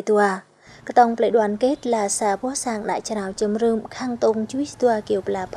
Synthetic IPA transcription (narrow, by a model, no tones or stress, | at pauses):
t̪ua | kt̪ɑŋpʰləjɗoənkeːt̪̚laːsaːpɔəhsaːŋɗa̰ʔt͡ɕnawt͡ɕɨmrɨːmkʰaːŋt̪oŋt͡ɕuəjst̪uəaːkiəwplaːpʰ